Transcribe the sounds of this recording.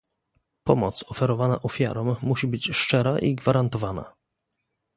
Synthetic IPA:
pɔmɔt̪sɔfɛɾɔvana̰ʔɔfʲja̰ɾɔmːuɕibɘt͡ɕʂt͡ʂɛɾaʔiɡvaɾant̪ɔvana̰

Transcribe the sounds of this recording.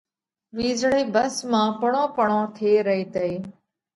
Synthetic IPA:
ʋiːzɽeːbəsmãːpəɳõːpəɳõːt̪ʰeːɾəɦeːt̪əeː

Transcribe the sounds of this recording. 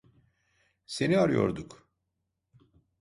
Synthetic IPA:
se̞niaɾɯjo̞̰ɾd̪uk

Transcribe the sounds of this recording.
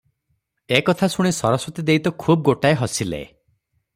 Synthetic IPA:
ekɔt̪ʰasuɽ̃esɔɾɔswɔt̪id̪ejt̪ɔkʰub̚ɡoʈaeɦɔsilḛ

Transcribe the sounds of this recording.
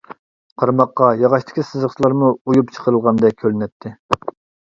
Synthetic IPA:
qʰɑɾmɑqːɑjɑʁɑʃt̪ɪ̥kʲʰisɨzəχslˠɑɾmuujupt͡ʃʰə̥qʰəɾəlˠʁɑnd̪ɛk̚ʲʰːølɪnɛt̪ʰːɪ

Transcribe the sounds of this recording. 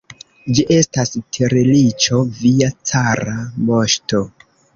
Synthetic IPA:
d͡ʒiʔe̞stastʰeɾelit͡ʃo̞viat͡saɾamo̞ʃto̞

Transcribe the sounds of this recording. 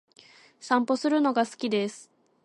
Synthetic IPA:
sãmpo̞sɨɾɯ̟no̞ɡasɨ̥kʲid̪e̞sɨ̥

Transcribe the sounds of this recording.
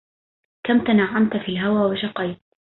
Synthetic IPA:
kamt̪anaʕːamt̪fiːlɦawaːwɪʃɑqɑjt̪̚

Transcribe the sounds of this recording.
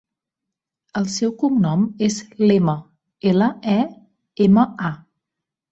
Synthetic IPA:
əlˠsɛwkumnɔmezlemə | eləɛ | eməa

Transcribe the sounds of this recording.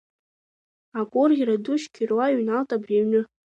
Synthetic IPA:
akʷʼʊrʲiɾaduʃkʲʰirwaɥnaltʼabriɥnɨ

